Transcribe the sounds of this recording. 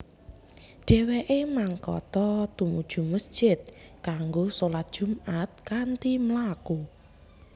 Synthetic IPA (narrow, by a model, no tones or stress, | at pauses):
ɖ̥ɛ̤weʔemaŋkɔ̰t̪ɔt̪umud̥ʒ̥ṳməsd̥ʒ̥ɪt̪̚kaŋɡosolat̪̚d̥ʒ̥ṳmat̪̚kant̪iməlaku